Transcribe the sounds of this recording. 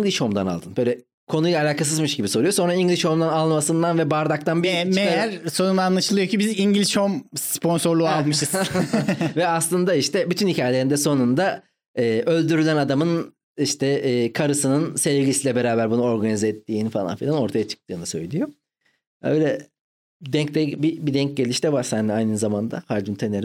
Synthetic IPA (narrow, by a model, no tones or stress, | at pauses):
ilʲiʃho̞md̪ana̰lˠd̪ɯnbø̞jlʲɛ | kʰo̞nujlˠaːlʲaːkʰas̬ɯzmɯʃɟibiso̞ɾujo̞so̞nɾaiɲɟlʲiʃho̞md̪analˠmasɯnd̪anvɛbaɾd̪ak̚t̪ʰanbimejæɾso̞nunaːnlˠaʃɯlˠɯjo̞cibiziɲɟlʲiʃhomspʰo̞nso̞ɾlˠualˠmɯʃt̪ | vɛaslˠɯnd̪aiʃt̪ʰɛbyt̪ʰynhicʰaːjelʲe̞ɾind̪ɛso̞nund̪a | ɯːʔø̞lʲd̪yɾylʲænad̪amɯn | iʃt̪ʰɛːkʰaɾɯsɯnɯnsɛivɟisilʲɛbe̞ɾaːbæɾbunuo̞ɾɡanizɛɛt̪ːiːnifalˠa̰nfilʲano̞ɾt̪ʰajat͡ʃʰɯ̥k̚t̪ʰɯːnɯsø̞jlʲijo̞ | ø̰jlʲɛ | d̪ɛɲc̚t̪ɛbibid̪ɛɲc̚ɟe̞lʲiʃt̪ɛvaɾsænd̪ɛajnɯzamand̪a̰haɾd͡ʒɯnt̪ʰeneɾi